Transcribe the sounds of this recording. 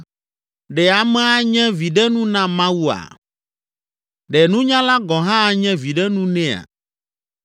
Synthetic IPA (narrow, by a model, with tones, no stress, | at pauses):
ɖɛ˨a˨mɛ̃˦a˦ɲɛ̃˦vi˨ɖɛ˦nũ˦nã˦mã˦wu˦a̰˨ | ɖɛ˨nũ˦ɲã˦la˦ɡɔ̃˨ɦã˦˨ɲɛ̃˦vi˨ɖɛ˦nũ˦nɛ̃˦a̰˨